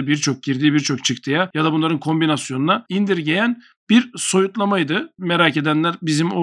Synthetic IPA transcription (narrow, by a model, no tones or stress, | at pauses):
biɾt͡ʃʰo̞k̚ɟiɾd̪iːbiɾt͡ʃʰo̞kt͡ʃʰɯkt̪ʰɯjajad̪abunlˠaɾɯnkʰo̞mbinasjo̞nunaind̪iɾɟe̞jæn | b̥iɾso̞jut̪lˠamajd̪ɯmeɾaːce̞d̪ænlʲæɾbizimo